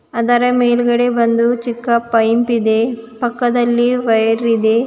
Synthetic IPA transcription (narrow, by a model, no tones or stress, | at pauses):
ɐd̪ɐɾɐmeːlɡɐɽebɐnd̪ut͡ʃikːɐpːɐjmpid̪e̞pɐkːɐd̪ɐlːiʋɐjɐɾid̪e̞